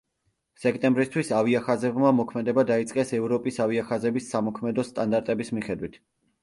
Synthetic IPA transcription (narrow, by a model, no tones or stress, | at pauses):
sɛk̚ʰt̪ʼɛmbɾist̪ʰwisaviaχazɛbmamɔkʰmɛd̪ɛbad̪ait̪sʼqʼɛsɛvɾɔpʼisaviaχazɛbisːamɔkʰmɛd̪ɔst̪ʼand̪aɾt̪ʼɛbismiχɛd̪wit̪ʰ